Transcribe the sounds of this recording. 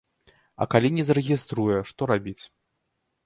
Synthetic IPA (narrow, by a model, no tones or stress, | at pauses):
ɐ̰kalʲinʲɛzɐɾɨɣʲist̪ɾujɛʂt̪ɔɾabʲit͡sʲ